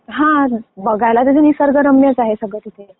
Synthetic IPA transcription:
ɦãbəɡʱajlat̪ad͡zenisəɾɡəɾəmjət͡saɦesəɡət̪it̪ʰe

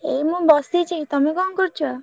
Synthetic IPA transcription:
ejmũbɔsit͡ʃʰeit̪ɔmekɔmkɔɾt͡ʃʰɔ

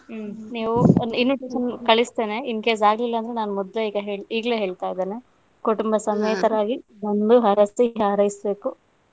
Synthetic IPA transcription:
niːʋuinʋiʈeʂɐnkɐɭist̪e̞ːne̞inkeːs̬aːɡlilːɐːnd̪ɾenaːnumɔd̪leiːɡɐɦeːɭiːɡɐle̞ːɦe̞ːɭt̪aːjd̪eːne | kuʈumbɐsɐmejt̪ɐɾaːɡi | ʋond̪uɦɐɾɐst̪iɦaːɾɐɦisbe̞ːku

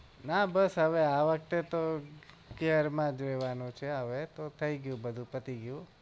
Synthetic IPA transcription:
nabəsɦəʋeaʋək̚t̪et̪o | keəɾmãd͡ʒojʋanũt͡ʃʰeɦəʋet̪ot̪ʰəiɡjũbəd̪ʱũpət̪iɡjũ

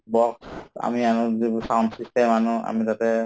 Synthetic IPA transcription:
bɔksa̰mianɔzibsawndsistɛmanʊa̰mitatɛ

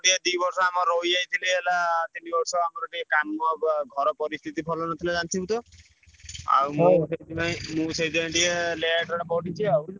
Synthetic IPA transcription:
ʈied̪ibɔɾsɔamɔɾojd͡ʒait̪ʰileelat̪inibɔɾsɔamɔɾɔʈiekammɔɡʱɔɾɔpɔɾist̪ʰit̪ipʰɔlɔnɔt̪ʰiled͡ʒant̪ʰibut̪ɔ | a̰wmũsed̪iaimũsejd̪iãʈieleaʈɔɽapɔʈit͡ʃʰiaw

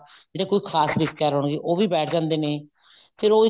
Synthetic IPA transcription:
d͡ʒeːɽeːkoːiːkʰaːsʋɪskaːɾɦɔːɳ̃ɡeːʔoːʋiːbɛːʈʰd͡ʒãːnd̪eːneː | pʰɪɾoː

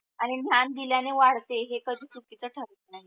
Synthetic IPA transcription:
aɽ̃in̤jand̪iljaneʋaɽt̪eɦekəd̪ʱiːt͡sukːit͡səʈʰəɾt̪naɦi

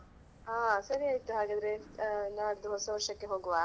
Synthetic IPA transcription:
ãːsɐɾiɐit̪ːuɦaɡɐd̪ɾeːnaːd̪uɦosoːʃɐkːeɦoɡuʋaː

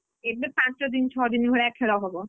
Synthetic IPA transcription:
ebepãt͡ʃod̪int͡ɕʰɔd̪inbʱoɭeɛkʰːeɭaɦɔbo

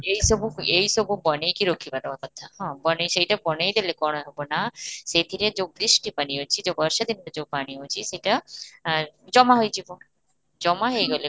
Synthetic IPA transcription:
ejsɔbuejsɔbubɔnejkiɾokʰibat̪ɔɔt̪ɔt̪ʰːahɔ̃bɔnejsejʈapɔnejd̪elekɔɽ̃ɔɦɔbɔnaset̪ʰiɾed͡ʒowbɾisʈipañiɦot͡ʃʰid͡ʒobɔɾʃɔd̪inbad͡ʒowpaɽ̃iowt͡ʃʰisejʈa | d͡ʒɔmaɦojd͡ʒʱibɔ | d͡ʒɔmaɦejɡɔle

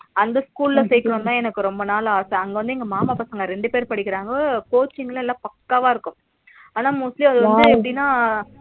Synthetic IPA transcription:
ɐnd̪ɐskuːlɪlɐsɛjkːɯɾʊmt̪ãːɛnɐkːɯɾɔmbɐnaːlɐaːsɐɐŋɡɐʋɐnd̪ɯɪŋɡɐmaːmaːpɐsɐŋɡɐɾɛɳɖɯpeːɾpɐɽɪkːɪɾaːŋɡɐpoːt͡ʃːɪŋɡɐllːãːpɐkːaʋaːɪɾɯkːʊ̃m | aːnaːmʊsliɐðɯʋɐnd̪ɯɛpːɐɽɪnːaː

